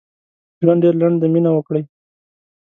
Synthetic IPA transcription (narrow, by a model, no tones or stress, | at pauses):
lanɖeɾlaɳɖd̪əminawəkɽəj